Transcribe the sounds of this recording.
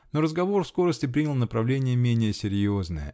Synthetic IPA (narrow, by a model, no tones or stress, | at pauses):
no̞ɾəzɡɐvorfsko̞ɾəsʲtʲɪp̬ɾʲinʲɪlˠnəpɾɐvlʲenʲɪjəmʲenʲɪjəsʲɪɾʲjo̞znəjə̰